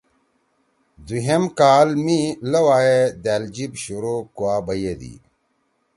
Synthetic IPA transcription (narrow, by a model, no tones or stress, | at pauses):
d̪uɦemkaːlmilɐwaːjed̪æːld͡ʑibɕuɾokuaːbɐjed̪ḭ